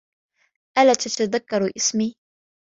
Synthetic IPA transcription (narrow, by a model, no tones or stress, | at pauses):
ʔalat̪at̪aðakːɑɾˤuʔɪsmiː